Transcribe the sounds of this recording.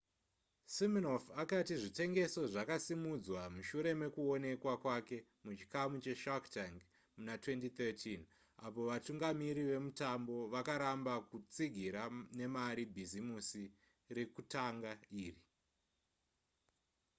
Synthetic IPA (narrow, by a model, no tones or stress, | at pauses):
siminofakatiʐite̞ŋɡe̞so̞ʐakasimud͡zwamuʃuɾe̞me̞kuo̞ne̞kwakwake̞ | mut͡ʃi̥kamut͡ʃe̞ʃaktaŋɡ | munatwe̞ntit̪etʰin | a̰po̞ʋatuŋɡamiɾiʋe̞mutambo̞ʋakaɾambakut͡siɡʱiɾane̞maɾibʱizimusi | re̞kutaŋɡaiːri